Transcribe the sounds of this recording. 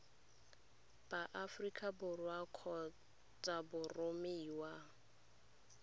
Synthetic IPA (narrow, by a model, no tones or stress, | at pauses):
b̥aʔafrikʼabʊrwakʰɔ | t͡sʼabʊrʊmeiwa